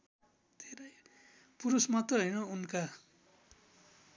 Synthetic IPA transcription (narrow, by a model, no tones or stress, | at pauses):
d̪ʰʱeɾʌj | puɾusmʌt̪ʌɦʌjnʌunka